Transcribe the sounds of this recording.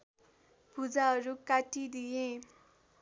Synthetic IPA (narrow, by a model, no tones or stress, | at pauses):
pud͡zaɦʌɾukaʈid̪ijẽ